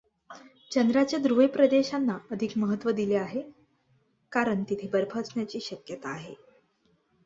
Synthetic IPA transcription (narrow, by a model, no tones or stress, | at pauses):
t͡ɕənd̪ɾat͡ɕad̪ɾujpɾəd̪eɕanːaəd̪ʱikməɦət̪ːʋəd̪ileaɦe | kaɾəɳt̪it̪ʰeːbəɾbʱət͡sɳjat͡ɕiːɕəkjət̪aːɦe